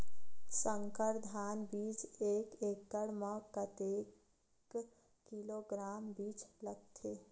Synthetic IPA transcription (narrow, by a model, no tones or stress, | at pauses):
sə̃ŋkəɾd̪ʱaːnbiːt͡ʃeːkeːkːəɽməkət̪eːk | kiloːɡɾaːmbiːt͡ʃləɡ̚t̪ʰeː